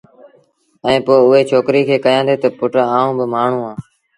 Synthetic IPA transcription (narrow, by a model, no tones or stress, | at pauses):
ɛ̃ːpoːʊɦeːt͡ʃʰoːkɾiːkʰeːkəjãːd̪eːt̪əpʊʈːaːũːbɪmaːɳ̤ũːãː